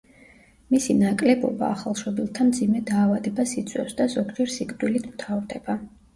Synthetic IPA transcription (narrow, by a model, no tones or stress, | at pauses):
misinakʼlɛbɔ̰ba̰ːχalˠʃɔbilˠt̪ʰamd̪zimɛd̪aːvad̪ɛbasit̪sʰʼwɛfsd̪azɔɡd͡ʒɛɾsikʼd̪ʼwilit̪ʰmt̪ʰavɾd̪ɛba